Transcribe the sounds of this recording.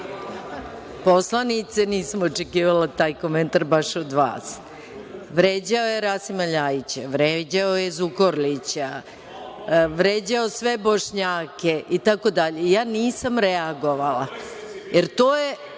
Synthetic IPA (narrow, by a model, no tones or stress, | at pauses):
po̞slˠanit̪seniːsamot͡ʃekiːʋalat̪aːjko̞ment̪aɾbaʃod̪ʋa̰ːs | ʋɾeːd͡ʑaojeɾasimaʎaːjit͡ɕaʋɾed͡ʑaojezukoɾlit͡ɕa | ʋɾeːd͡ʑaosʋe̞boʃɲaːkeʔit̪ako̞d̪aʎejaːniːsamɾeaɡo̞ʋalajeɾt̪oːje